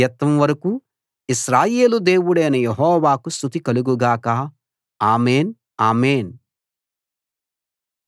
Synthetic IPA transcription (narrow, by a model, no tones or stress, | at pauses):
ɐt̪ːɐmʋɐɾɐkuː | iʃɾaːjeːlud̪eːwuɽɐːnɐjeɦɔːʋaːkust̪ut̪ikɐluɡuɡaːkaː | aːmeːn | aːmeːn